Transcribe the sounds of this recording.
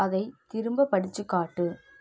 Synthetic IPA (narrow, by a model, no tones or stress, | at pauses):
ɐðɐɪt̪ɪɾɯmbɐpɐɽɪt͡ʃːɯkːaːʈːɯ